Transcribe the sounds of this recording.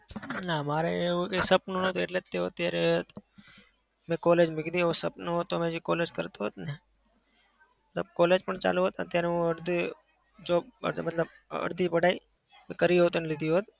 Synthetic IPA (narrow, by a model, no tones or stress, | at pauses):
namaɾeeukesəpnonət̪oeʈleeot̪jaɾe | mẽkoled͡ʒmɪɡd̪ieusəpnɦot̪ːomẽd͡ʒekoled͡ʒkə̰ɾt̪oɦot̪ne | mət̪ləb̚koːled͡ʒpəɳt͡ʃa̰luɦoːt̪t̪jaɾɦũəɾd̪i | d͡ʒoːə̰mət̪ləb | ə̰ɽd̪ʱipəɽai | mẽkəɾiɦot̪onelɪd̪ʱijũɦot̪